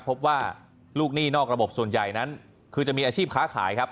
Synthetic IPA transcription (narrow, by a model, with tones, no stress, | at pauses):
pʰːo˦˥p̚waː˥˩ | luː˥˩k̚niː˥˩nɔː˥˩k̚ɾa˧bo˨˩p̚su˨˩ənja˨˩jna˦˥n | kʰɯː˧t͡ɕa˨˩miː˧ʔaː˧t͡ɕʰiː˥˩p̚kʰaː˦˥kʰa̰ː˩˦jkʰa˦˥p̚